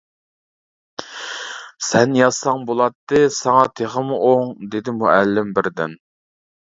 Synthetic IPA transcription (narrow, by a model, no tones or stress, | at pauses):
sɛnjɑsɑŋbolˠɑt̪ːɨsɑŋɑt̪ʰeχəmʊʔoŋd̪ed̪ɪmuælːɪmbɪɾd̪ɪ̰n